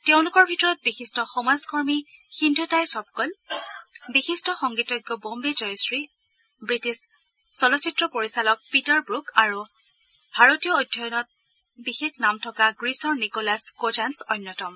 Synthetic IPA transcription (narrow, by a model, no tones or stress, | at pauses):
tɛʊ̃lʊkɔɹbʱitɔɹɔt̚bixistɔxɔmazkɔɹmixindʱɔtajsɔb̚kɔl | bixistɔxɔŋɡitɔɡːɔbombezɔjsɹi | bɹitisː | ɔlɔsitɹɔpoɹisalɔk̚pitɔɹbɹukaɹu | bʱaɹotijɔojdʱːɔjɔnɔt̚ | bixeknamtʰɔkaɡɹisɔɹnikɔlaskod͡ʒansɔnːjɔtɔm